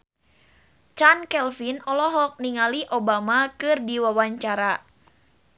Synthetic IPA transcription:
t͡ʃankɛlfinɔlɔɦɔk̚niŋaliʔobamakɨrdiwawaɲt͡ʃaɾa

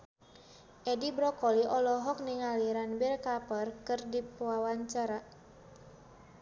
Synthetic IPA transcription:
ʔɛdibɾɔkɔliʔɔlɔɦɔk̚niŋaliɾanbɛrkapərkɨrdipuwawaɲt͡ʃaɾa

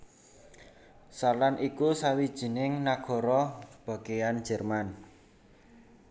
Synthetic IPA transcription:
salanʔikusawid̥ʒ̥i̤nɪŋnaɡ̥ɔ̤ɾɔb̥a̤kejan̥d͡ʒ̥ɛ̤rman

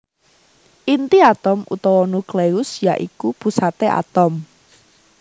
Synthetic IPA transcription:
ʔint̪iat̪ɔmʔṵt̪ɔwɔnukleʊsjaʔikupṳsat̪eʔa̰t̪ɔm

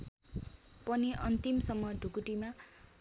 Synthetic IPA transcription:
pʌniʔʌnt̪imsʌmːʌɖʱukuʈima

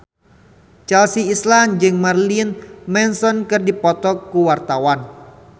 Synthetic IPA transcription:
t͡ʃɛlsiːsland͡ʒɨŋmarlinmɛnsɔnkərdipɔt̪ɔkːuwart̪awan

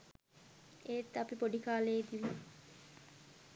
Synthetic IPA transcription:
et̪ːapipoɖikaːleːd̪iʋi

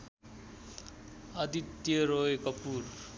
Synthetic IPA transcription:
ʌd̪it̪ːjʌɾoekʌpur

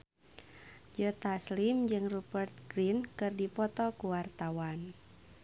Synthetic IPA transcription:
d͡ʒət̪aslimd͡ʒɨŋrubərt̪̚ɡɾinkɨrdipɔt̪ɔkuwart̪awan

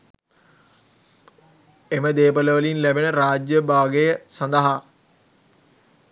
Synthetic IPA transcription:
eməd̪eːpələʋəlinlæbenəɾaːd͡ʒjəbaːɡejəsɐnd̪əɦa

